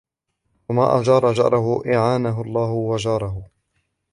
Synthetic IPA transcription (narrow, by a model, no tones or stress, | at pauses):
wama̰ːʔad͡ʒɑːɾˤɑd͡ʒɑ̰ɾˤɑɦʊʔɪʕaːnaɦʊlˤːɑːhʊwad͡ʒɑːɾˤɑɦʊ